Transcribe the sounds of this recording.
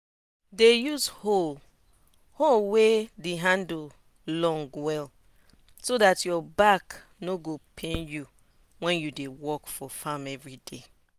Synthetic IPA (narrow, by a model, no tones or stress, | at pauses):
dejuzhol | holwedeɦãnd̩ | lɔ̃ŋɡwɛl | sodatjɔbak | noɡopʰẽnju | wɛ̃njudewɔkfɔfamɛvɹide